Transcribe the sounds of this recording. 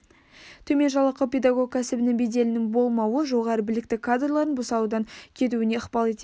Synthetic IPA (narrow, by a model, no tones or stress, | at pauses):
t̪ʰɵme̞nʒɑlˠəqːəpʲe̞d̪aɡo̞k̚kʲʰæsɪbɪnɪŋbed̪e̞lɪnɪŋbo̞lˠmɑwəʒo̞ʁɑɾəbɪlɪk̚t̪ɪkʰad̪rlˠɑɾənbʊsɑud̪ɑŋkʲʰe̞t̪̬uɪne̞əχpɑlˠe̞t̪e